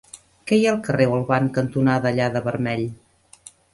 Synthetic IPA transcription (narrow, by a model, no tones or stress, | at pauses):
kɛjalˠkərewəlˠβaŋkənt̪unaðəːʎaðəβərmɛʎ